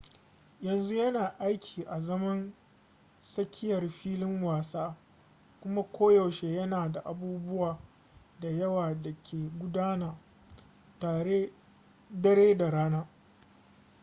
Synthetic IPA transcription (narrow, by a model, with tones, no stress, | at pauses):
jɐ˨nzu˦jɐ˦naː˨ʔa˦jkʲʰiː˨ʔa˨zɐ˦mɐ˦n | sɐ˦kʲʰɪ˦jɐ˨rɸiː˦lɪ˦ŋwaː˨saː˦ | kʷʊ˦ma˦kʷʰoː˦jɐ˨wʃe˦jɐ˦naː˨da˨ʔa˨buː˦bʊ˦waː˨ | da˨jɐ˦waː˨da˨kʲʰeː˨ɡʷʊ˦daː˦naː˨ | ta˨e˦ | dɐ˦ɾeː˦da˨ɽaː˦naː˦